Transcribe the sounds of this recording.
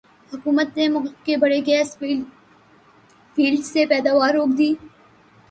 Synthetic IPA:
hʊkuːmət̪nemʊɣlkebɐɽeɡɛːs | fiːlɖsepɛːd̪aːʋaːɾːoːkd̪iː

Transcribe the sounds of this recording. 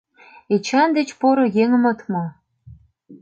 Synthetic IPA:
et͡ɕɑnd̪et͡ɕpoɾojeŋəmɤ̆t̪mo

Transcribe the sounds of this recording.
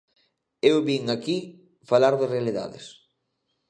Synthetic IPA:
ewβiŋaki | falaɾðɪrealiða̰ðɪ̰s

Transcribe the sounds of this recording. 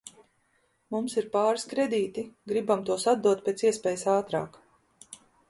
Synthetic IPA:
mumsiɾpaːɾiskɾed̪iːt̪iɡɾibamt̪uɔsad̪̚d̪uɔt̪̚pʲet̪siɛspɛːjəsaːt̪ɾa̰ːk

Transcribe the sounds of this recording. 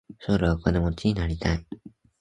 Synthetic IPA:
soɾeβakonemot͡ɕiɲ̟inaɾʲit̪ʰai

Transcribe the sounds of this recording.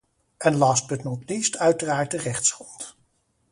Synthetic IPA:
ʔɛnlɑsbətnɔtlistœɥtəraːɹt̚dərɛχtsrɔnt

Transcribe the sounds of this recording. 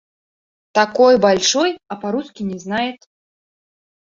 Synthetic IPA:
t̪akɔjbalʲʂɔjɐpaɾuskʲinʲɛznajɛt̪

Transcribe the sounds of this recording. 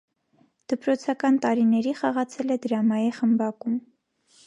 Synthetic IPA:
d̪̥əpɾɔt͡sʰɑkɑnt̪ɑɾinɛɾiχɑʁɑt͡sʰɛlɛd̪əɾɑmɑjiχəmbɑkum

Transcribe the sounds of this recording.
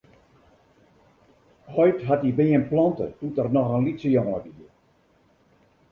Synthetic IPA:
hɔjtɦatibɪənplɔntə̰tutərnɔxənlitsəjɔŋədiə

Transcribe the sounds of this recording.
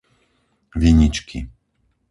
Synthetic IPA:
ʋiɲit͡ʃkʰḭ

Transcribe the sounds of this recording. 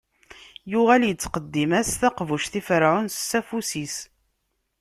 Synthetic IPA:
jʊʁæljət͡sːqəd̪ːimæsθæqvuʃθifəɾʕunsːæfusis

